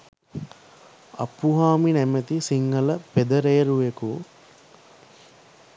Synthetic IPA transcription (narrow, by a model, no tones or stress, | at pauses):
ɐ̰pːuɦaːminɛmet̪isiŋɡɐləped̪ɐɾejɐɾuʋeku